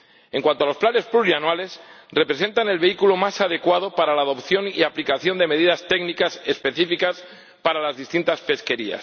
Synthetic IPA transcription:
e̞ŋkwant̪oalo̞splane̞spluɾianwale̞sre̞pɾe̞s̬e̞nt̪ane̞lβe̞ikulomasað̞e̞kwað̞opaɾalaːðopθjo̞niaplikaθjo̞nd̪e̞me̞ð̞iðast̪e̞ɡnikase̞spe̞θifikas | paɾalazðist̪int̪aspe̞ske̞ɾia̰s

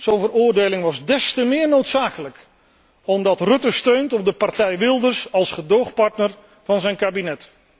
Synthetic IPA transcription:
z̥onvəɾʊːɹdejlɪŋʋɑzdɛstəmɪːɹnowtsaːkələk | ɔmdɑtrɵtəstøɥntɔp̚dəpɑrtɛjʋɪlˠdəɹsɑlˠsχədowχpɑɹtnəɹ | v̥ɑnzɛjnkaːbinɛt

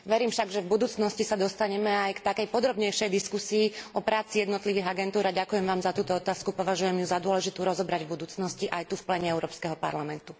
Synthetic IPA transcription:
ʋɛɾiːmfʃaɡʒɛvbud̪uːt͡snɔscisad̪ɔst̪aɲɛmɛajkt̪akɛjpɔd̪ɾɔbɲɛjʃɛjd̪iskusiːɔpɾaːt͡sijɛd̪nɔt̪liʋiːɦaɡɛnt̪uːɾaɟakujɛmʋaːmzat̪uːt̪ɔɔt̪aːskupɔʋaʒujɛmjuzad̪ʊɔlɛʒit̪uɾɔzɔbɾaɟvbud̪uːt͡snɔsciʔajt̪ufplɛɲɛɛʊɾɔːpskɛɦɔpa̰ɾlamɛnt̪u

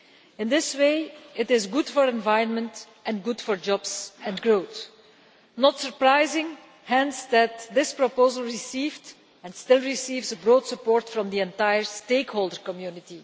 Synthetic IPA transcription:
ɪ̃nd̪ɪsweɪɪtɪzɡʊd̥fɔɹɛ̃nvajɹə̃nmə̃nt | ʔɛ̃nɡʊd̥fɔɹd͡ʒɔbzɛ̃nɡɹoʊt̪ | nɔtsəɹpɹaɪzɪ̃ŋ | hɛ̃nsd̪æt̚dɪspɹɔpoʊzəlˠɹisiːvd | ɛ̃nstɪlˠɹisiːvzəbɹoːdsəpɔɹtfɹɔ̃md̪iɛ̃ntajəɹsteɪkhoʊlˠdəɹkɔmjunɪti

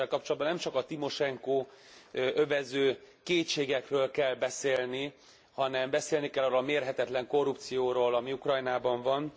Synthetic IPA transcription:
ɛlkɒp̚t͡ʃolɒd̪̚bɒnɛmt͡ʃɒkɒt̪imo̞ʃɛŋkoː | ʔøvɛzøː | keːtʃeːɡɛkrøːlkɛlːbɛseːlni | hɒnɛmbɛseːlnikɛlːɒrɾoːlɒmeːrɦɛt̪ɛt̪lɛŋko̞rːup̚t̪sijoːɾoːlɒmiukrɒjnaːbɒɱvɒn

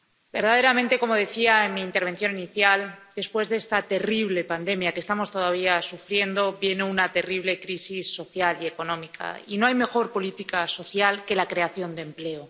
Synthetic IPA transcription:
be̞ɾðaðe̞ɾamẽnt̪e̞ko̞mo̞ð̞e̞θiaenmiːnt̪eɾβ̞e̞nθjo̞niniθjald̪e̞spwe̞zðe̞st̪at̪e̞riβle̞pand̪e̞mjakest̪amo̞st̪o̞ðaβ̞iasufɾje̞nd̪o̞βje̞neunat̪e̞riβ̞le̞kɾisisːo̞θjalie̞ko̞nõ̞mikʰa̰ino̞ajme̞xo̞ɾpo̞lit̪ikaso̞θjalke̞lakɾe̞aθjo̞nd̪emple̞o

